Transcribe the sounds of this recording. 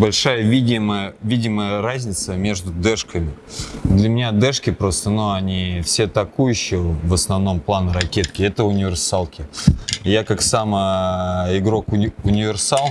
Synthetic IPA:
bɐlʲʂajəvʲidʲɪməjəvʲidʲɪməjərazʲnʲɪt̪səmʲe̞ʐd̪ʊd̪ɛʂkəmʲɪd̪lʲəmʲɪnʲad̪ɛʂkʲɪpɾo̞st̪ənuɐnʲifsʲet̪ɐkujʉɕːɪjəvəsnɐvno̞mplˠanəɾɐkʲet̪kʲɪɛt̪əʊnʲɪvʲɪrsalˠkʲɪjakaksamə | ɪɡɾo̞kʊʊnʲɪvʲɪrsalˠ

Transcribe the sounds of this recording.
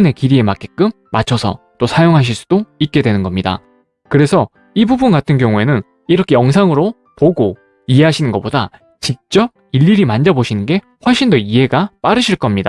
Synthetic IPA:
ne̞kiɾie̞mak͈ek͈ɯmːat͡ɕʰʌsʰʌ̰ | t͈osʰajoŋɦaɕ̬ʰiɭs͈u̥d̥oik̚k͈e̞dwe̞nɯnɡʌmɲida̰ | kɯɾe̞sʰʌ | ibubunkatʰɯnkjʌŋue̞nɯn | iɾʌkʰe̞jʌŋs̬ʰaŋɯɾo | poɡo | ie̞ɦaɕʰinɯnɡʌp͈oda | t͡ɕik̚t͡ɕ͈ʌb̚iʎːiɾimand͡ʑaboɕʰinɯnɡe̞ | ɸwʌɭɕ͈indoiɦe̞ɡap͈aɾɯɕʰiɭk͈ʌmɲida

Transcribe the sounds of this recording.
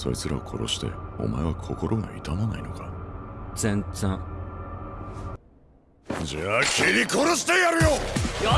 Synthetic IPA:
so̞ɾet͡sɨɾaokʰo̞ɾo̞̰ɕi̥t̪e̞̰o̞̰maeβakʰo̞ko̞ɾʔo̞ɡa̰it̪amanaino̞kad͡zẽnt͡sã | d͡ʑaːkʲiɾʲikoɾoɕi̥t̪ejaɾɯ̟joj

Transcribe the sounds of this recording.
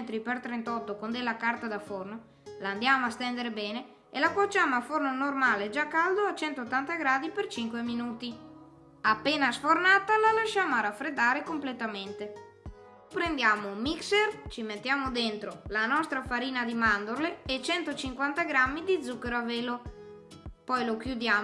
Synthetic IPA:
nt̪ɾipert̪ɾent̪ɔt̪ːokond̪elːakart̪ad̪aforno | land̪jaːmoast̪ɛnd̪eɾebɛːne | ḛlakwat͡ʃːaːmoafornonormaːled͡ʒakːald̪oat͡ʃɛnt̪ot̪ːant̪aɡɾaːd̪ipert͡ʃiŋkweminuːt̪i | apːeːnasfornaːt̪alalaʃaːmoaɾafɾed̪ːaːɾekomplet̪ament̪e | pɾend̪jaːmomiksert͡ʃimet̪ːjaːmod̪ent̪ɾolanɔst̪ɾafaɾiːnad̪imand̪oɾleːt͡ʃɛnt̪ot͡ʃiŋkwant̪aɡɾamːid̪id̪zːukːeɾoaveːlo | pɔjlok̟jud̪jaː

